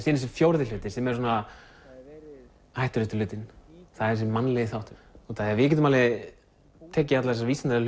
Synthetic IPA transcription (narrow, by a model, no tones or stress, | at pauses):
siːnɪsʏfjoːwɾðɪlʏːt̪ɪsɛmɛɾ̥s̬ɔna | hajht̪ʏɾʏt̪ɪlʏːt̪ɪnθaðɛs̬ɪmanːlɛɣɪθawht̪ɔt̪aðɛvɪcɛːt̪ʏmalɪ | t̪ʰɛːcːɪat̪laðɛs̬aviːsɪnaɾal